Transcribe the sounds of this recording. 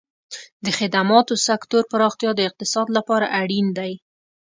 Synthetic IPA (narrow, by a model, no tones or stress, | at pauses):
d̪əxɪd̪amɑt̪osakt̪oɾpəɾɑxt̪jɑd̪əɪq̚t̪ɪsɑd̪lapɑɾaʔaɽind̪aj